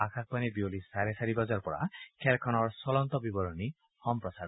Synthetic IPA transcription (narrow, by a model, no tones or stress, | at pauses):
akʰak̚panibiolisaɾesaɾibɔd͡ʒaɾpɔɽa̰kʰɛlkʰɔnɔɾsɔlɔnt̪ɔbibɔɾɔni | hɔmpɾɔsaɾ